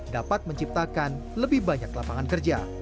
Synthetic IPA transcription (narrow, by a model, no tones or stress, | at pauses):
dapat̪̚məɲt͡ʃip̚t̪akan | ləbɪhbaɲaklapaŋankərd͡ʒa̰